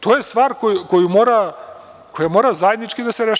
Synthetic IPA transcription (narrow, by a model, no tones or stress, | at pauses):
t̪ojɛst̪vaɾkojukɔjumɔɾa | kʰojamɔɾazaɛd̪nit͡ʃkid̪asɛɾɛʃ